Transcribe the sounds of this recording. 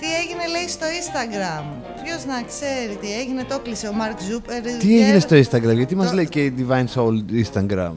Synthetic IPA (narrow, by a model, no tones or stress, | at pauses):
t̪ie̞ʝine̞le̞ist̪o̞ist̪ɐɡɾɐm | pço̞znɐkse̞ɾit̪ieʝine̞t̪o̞kliseomɐɾkzupeɾt̪ieʝinest̪o̞inst̪ɐɡɾɐmʝɐt̪imɐzleiced̪ivɐjnsolinst̪ɐŋɡɾɐ̰m